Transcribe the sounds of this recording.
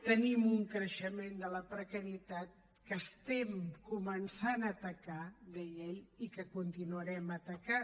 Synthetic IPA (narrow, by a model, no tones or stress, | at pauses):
t̪ənimuŋkɾəʃəmend̪ələpɾəkəɾiət̪at̪̚ | kəst̪ɛmkumənsanət̪əkad̪ɛjeʎikəkunt̪inuəɾɛmət̪əka